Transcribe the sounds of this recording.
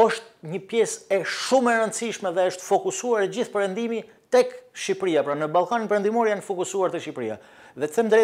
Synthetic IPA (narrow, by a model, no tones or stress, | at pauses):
ɔʃt̪̚ɲəpjɛsɛʃumɛɾənt̪siʃmɛðɛəʃt̪fɔkusuaɾd͡ʑiθpɛɾənd̪imi | t̪ɛkʃipɾiapɾanəbalˠkaninpɛɾɛnd̪imɔɾjanfɔkusuaɾt̪ɛʃipɾḭja̰ | ðɛt̪θɛmd̪ɾɛ